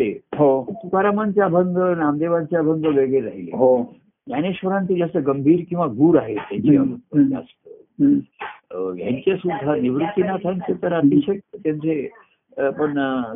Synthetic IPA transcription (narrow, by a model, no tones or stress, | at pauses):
t̪eɦopukaɾamant͡ɕjabʱəŋɡənamd̪eʋant͡ɕjaabʱəŋɡəʋeɡɭeɾaɦilḛɦo | ɦjañeɕʋəɾãnt̪id͡zasəɡəmbʱiːɾkĩw̃ʋaɡuːɾaɦet̪jaɲt͡ɕia̰bət̪̚ːəeəst̪ə | jã̰ɲt͡ɕasud̪ʱːaniʋɾut̪ːinat̪ʰənt̪et̪əɾat̪iɕək̚t̪t̪jaɲt͡se | pəɳ